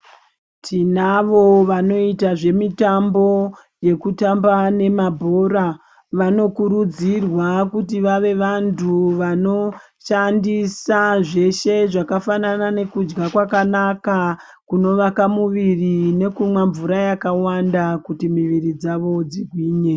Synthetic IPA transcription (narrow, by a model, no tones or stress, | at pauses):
tʰinaʋo̞ʋano̞itaʐe̞mitambo̞ | je̞kutambane̞mabʱo̞ɾa | ʋano̞kuɾud͡zirwakutiʋaʋe̞ʋantʰuʋano̞ | ʃandisaʐe̞ʃe̞ʐakafananane̞kud͡ʒɡakwakanaka | kuno̞ʋakamuʋirine̞kumwaɱvuɾajakawandakutimiʋirid͡zaʋo̞d͡ziɡʱwiːɲe̞